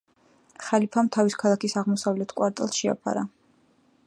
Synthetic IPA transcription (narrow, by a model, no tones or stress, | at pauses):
χalipʰamt̪ʰaviskʰalˠakʰisaʁmɔsavlɛt̪ʰkʼwaɾt̪ʼɛ̰lˠsʃɛa̰pʰa̰ɾa